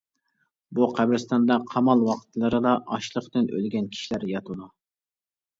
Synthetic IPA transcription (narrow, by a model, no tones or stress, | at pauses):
buqʰæbɾɨst̪ɑnd̪ɑqʰɑmɑlˠwɑqʰt̪ʰlˠɨɾɨd̪ɑʔɑʃlˠəχt̪ɨnø̰lɡʲɛnkʲʰi̥ʃilæɾjɑt̪ʰud̪u